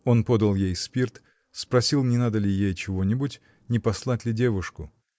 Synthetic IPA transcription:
o̞npo̞d̪əlˠjejspʲirt̪ | spɾɐsʲilˠnʲɪnad̪əlʲɪjejt͡ɕɪvo̞nʲɪbʊtʲ | nʲɪpɐslˠatʲlʲɪdʲe̞vʊʂkʊ

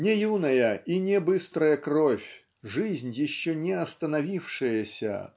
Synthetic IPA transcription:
nʲɛjunɐjəinʲɛbɨst̪ɾəjɐkrɔfʲ | ʐɨzʲnʲjɪɕːɔnʲɛɐst̪ɐnavʲifʂɨjəsʲɐ̰

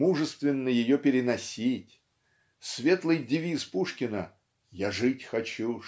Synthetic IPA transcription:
uʐɨst̪vʲɪnːəjɪjopʲɪɾʲɪnɐsʲitʲ | svʲet̪lˠɨjdʲɪvʲispuʂkʲɪnə | jaʐɨtʲxɐt͡ɕu

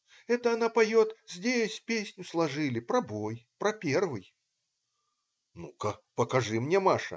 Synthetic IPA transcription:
ɛt̪ɐːnapajɔt̪zʲd͡zʲesʲpʲesʲnʲuslˠaʐɨlʲipɾɐbɔjpɾɐpʲɛrvɨj | nukɐpɐkaʐɨmnʲɛmaʂɐ̰

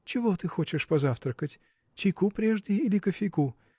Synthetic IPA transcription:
t͡ɕɪvo̞t̪ɨxo̞t͡ɕɪʂpɐzaft̪ɾəkətʲ | t͡ɕɪjkupɾʲe̞ʐdʲɪjəilʲɪkəfʲɪjku

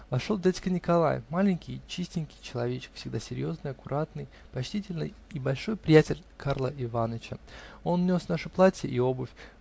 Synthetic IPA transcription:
vɐʂovd̪ʲatʲɪ̥kənʲɪkɐlˠa̰j̰fmalʲɪnʲkʲɪjt͡ɕisʲtʲɪnʲkʲɪjt͡ɕɪlˠɐvʲet͡ɕɪ̥kfsʲɪɡd̪asʲɪɾʲjo̞znɨjɐkʊɾʔat̪nɨj | pɐt͡ɕtʲitʲɪlʲnɨ̰jibɐlʲʂo̞jpɾʲɪjætʲɪlʲkarlˠəʔɪvanət͡ɕə̰o̞nnʲo̞snaʂɨplˠatʲjə̰ʔio̞bʊfʲ

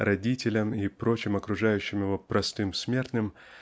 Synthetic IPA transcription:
ɾɐdʲitʲɪlʲəmipɾo̞t͡ɕɪmɐkɾʊʐajʉɕːɪmjɪvopɾʔɐst̪ɨmsmʲert̪nɨm

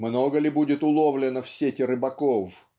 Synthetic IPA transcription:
mnoɡəlʲɪbudʲɪt̪ʊlˠovlʲɪnəfsʲetʲɪrɨbɐkof

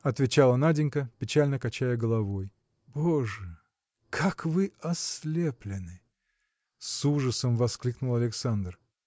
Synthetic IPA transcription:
ɐt̪vʲɪt͡ɕalˠənadʲɪnʲkəpʲɪt͡ɕalʲnəkɐt͡ɕæjəɡəlˠɐvo̞j | boʐɨ | kʰakvɨɐslʲeplʲɪnɨ | suʐəsəmvɐsklʲiknʊlˠɐlʲɪksand̪r

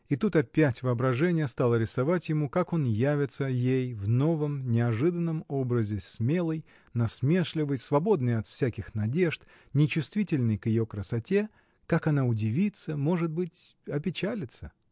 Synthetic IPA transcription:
it̪ut̪ɐpʲætʲvɨɐbɾɐʐɛnʲɪjəst̪alˠəɾʲɪsɐvatʲjɪmukako̞njævʲɪt̪səjejvno̞vəmnʲɪɐʐɨd̪ənːəmo̞bɾəzʲɪsmʲe̞lˠəj | nɐsmʲe̞ʂlʲɪvəjsvɐbo̞d̪̚nɨjɐt̪fsʲækʲɪxnɐdʲe̞ʂt̪ | nʲɪt͡ɕʊst̪vʲitʲɪlʲnɨjkjɪjo̞kɾəsɐtʲe̞ | kakɐnaʊdʲɪvʲit̪səmo̞ʐɨt̪̚bɨtʲɐpʲɪt͡ɕælʲɪt̪sə

